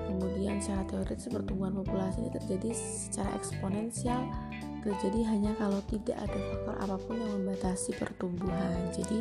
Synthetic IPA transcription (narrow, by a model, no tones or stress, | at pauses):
kəmudiant͡ʃaɾat̪eoɾɪt̪spərt̪umbuɦanpopulasinḭt̪ərd͡ʒadi | sə̥t͡ʃaɾa̰ʔɛ̰ksponɛnsial | t̪ərd͡ʒadiɦaɲakalowt̪ida̰ʔa̰dafak̚t̪ɔrʔa̰papʊnaŋməmbat̪asipə̰rt̪umbuɦand͡ʒadi